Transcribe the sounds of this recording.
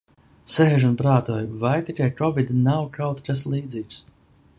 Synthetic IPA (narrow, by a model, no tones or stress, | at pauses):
seːʒunpɾaːt̪uɔjvajt̪ikʲajkɔbid̪inawkawt̪kaslˠiːd̪ziːks